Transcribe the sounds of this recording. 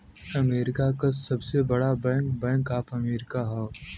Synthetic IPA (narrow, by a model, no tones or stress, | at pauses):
ɐmeːɾɪkakasɐbsebɐɽabɛ̃ːŋkbɛ̃ːŋkaːpʰɐmeːɾɪkaɦɛː